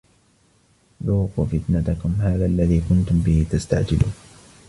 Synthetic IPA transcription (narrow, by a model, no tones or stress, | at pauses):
ðuːqṵːfɪt̪nat̪akʊmhaːðaːʔalːaðiːkʊnt̪ʊmbɪhɪt̪ast̪a̰ʕd͡ʒɪlʔuːn